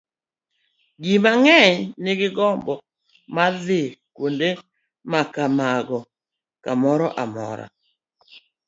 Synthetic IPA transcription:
ɡimaŋɛɲnɪɡɪɡɔmbɔ | maðɪkwonde | makamaɡɔ | kamɔɾɔʔamɔ̰ɾa̰

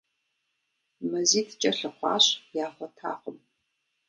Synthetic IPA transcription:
mɐziːtʰt͡ʃʼɐɬɐχʷɑ̰ːɕjaːχʷɔtʰa̰ːχəm

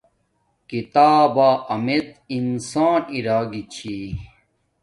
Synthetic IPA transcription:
kit̪aːbaːʔɐmet̪insaːniɾaːɡit͡ɕʰi

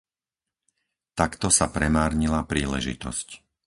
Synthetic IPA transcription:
t̪akt̪ɔsapɾɛmaːɾɲilapɾiːlɛ̰ʒḭt̪ɔ̰sc

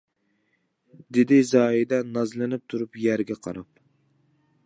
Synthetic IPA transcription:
d̪ɪd̪ɪzɑːid̪ɛnɑzlˠɨnɪp̚t̪ʰuɾupjæɾɡʲɛqʰɑ̰ɾɑp

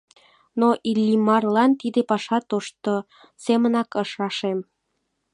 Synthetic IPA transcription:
noʔilːimɑrlɑnt̪id̪epɑʃɑt̪oʃt̪o | semənɑkəʃɑʃem

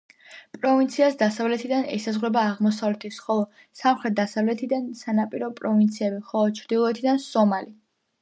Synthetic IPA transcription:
pʼɾɔvint̪sʰiasd̪asavlɛt̪ʰid̪anɛ̰sazʁɾɛbaːʁmɔsavlɛt̪ʰisχɔlˠɔ | samχɾɛt̪̚d̪asavlɛt̪ʰid̪ansanapʼiɾɔpʼɾɔvint̪sʰiɛbiχɔlˠɔt͡ʃʰɾd̪ilˠɔɛt̪ʰid̪ansɔmali

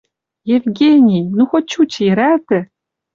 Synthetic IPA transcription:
jevɡʲenʲijnuxot̚t͡ɕut͡ɕɘjɾæt̪ɘ̆

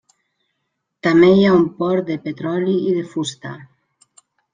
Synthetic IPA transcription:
t̪amejaumpɔɾd̪epet̪ɾɔliiðefust̪a̰

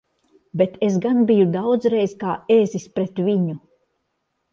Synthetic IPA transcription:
bet̪esɡanbijud̪awd̪zɾejzkaːezispɾet̪vʲiɲu

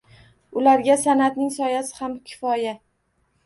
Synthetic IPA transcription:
ʊlaɾɡʲasanat̪nɪŋsɒjasɪ̥hamkʲʰɪ̥fɒja

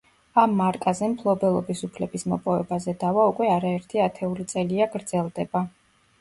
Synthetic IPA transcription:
amːaɾkʼazɛmpʰlˠɔbɛlˠɔbisupʰlɛbismɔpʼɔvɛbazɛd̪avaukʼwɛaɾaɛɾt̪ʰiat̪ʰɛulit̪sʼɛliaɡɾd̪zɛlˠd̪ɛba

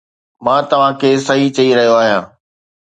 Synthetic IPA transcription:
mãːt̪ɐʋ̤ãkʰeːsɐɦit͡ɕɐiɾɐɦijoaːɦijãː

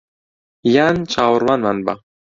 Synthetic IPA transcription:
jant͡ʃʰaːwəɾwanmanba̰

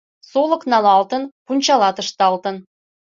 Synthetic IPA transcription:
solɤ̆knɑlɑlt̪ɤ̆npunʲt͡ɕɑlɑt̪ə̆ʃt̪ɑlt̪ə̆n

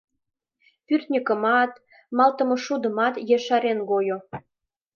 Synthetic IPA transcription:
pyrt̪nʲəkəmɑt̪ | mɑlt̪ə̆mŏʃud̪ə̆mɑt̪jeʃɑɾenɡojo

